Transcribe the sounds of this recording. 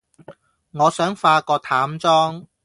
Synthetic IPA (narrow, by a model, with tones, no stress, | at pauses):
ŋɔː˨˧sœː˨˥ŋfaː˧kɔː˧t̪ʰaː˨˥mt͡sɔː˥ŋ